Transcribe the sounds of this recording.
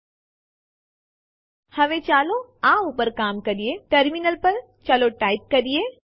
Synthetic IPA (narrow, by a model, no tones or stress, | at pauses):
hɐʋet͡ʃaːloãuːpəɾkaːmkɐɾijeʈɐɾminəlpəɾ | t͡ʃaːloʈaːɪp̚kɐɾije